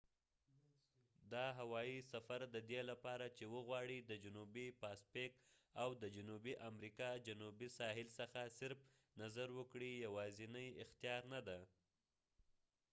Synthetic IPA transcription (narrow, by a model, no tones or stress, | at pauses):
d̪ɑɦawɑisafaɾd̪əd̪elapɑɾat͡ʃewəɣwɑɽid̪əd͡ʒʊnubipɑspekawd̪əd͡ʒʊnubiʔamɾikɑd͡ʒʊnubisɑɦɪlsəxasɪɾf | nazaɾwəkɽijawɑzɪnəjɪxt̪ijɑɾnad̪a